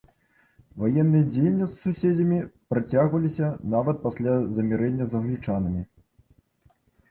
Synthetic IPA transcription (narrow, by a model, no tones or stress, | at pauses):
vajɛnːɨjɐd͡zʲejnʲːissusʲed͡zʲɐmʲipɾat͡sʲaɣvɐlʲisʲɐnavɐt̪̚pasʲlʲazɐmʲɛɾɛnʲːɐzɐɣlʲit͡ʂanɐmʲi